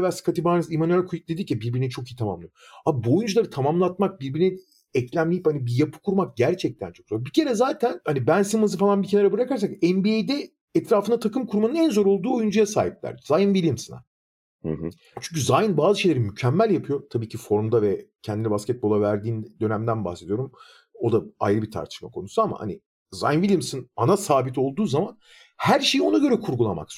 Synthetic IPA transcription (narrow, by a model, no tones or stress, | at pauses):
væskʰat̪ʰibaːnɯzimanyælʲkʰujic̚d̪ed̪icʰibiɾbiɾinit͡ʃʰo̞kijit̪ʰama̰mlˠɯijoabuojund͡ʒulˠaɾɯt̪ʰamamlˠat̪̚mak̚biɾbiɾini | ɛclʲæmlʲejiphanibijapʰɯ̥kʰuɾmak̚ɟæɾt͡ʃʰɛc̚t̪ʰæ̰nt͡ʃʰo̞kzabicʰe̞ɾɛzaːt̪ʰænhanibænsimɯzɯfalˠanbicʰenaɾabɯɾakaɾsakɛnbiejd̪ɛ | ɛt̪ɾaːfɯnat̪ʰakɯmkʰuɾmanɯnænzo̞ɾo̞lˠd̪uːojund͡ʒujasa̰ːɦip̚lʲæ̰ɾzajɯnbilʲiimsana̰ | t͡ʃʰyɲc̬yzajɯnbaːzɯʃejlʲeɾimycʰɛmːælʲjapʰɯjo̞t̪ʰabiːcʰifo̞ɾmd̪avɛcʰɛnd̪inɛbascɛt̪̚bo̞lˠavæɾd̪iːnd̪ø̞næmd̪ænba̰hse̞d̪ijo̞ɾum | o̞d̪aa̰jɾɯbit̪ʰa̰ɾt̪ʰɯ̥ʃmakʰonusuama̰ha̰nḭ | za̰jnvilʲijimsɯnanasaːbit̪o̞lˠd̪uːzaman | hæɾʃe̞jio̞naɟø̞ɾɛkʰuɾɡulˠa̰ma̰ks